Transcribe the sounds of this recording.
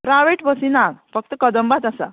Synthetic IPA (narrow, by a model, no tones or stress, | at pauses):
pɾaʋeʈbəsinaɡfʌk̚t̪əkʌd̪əmbat̪asa̰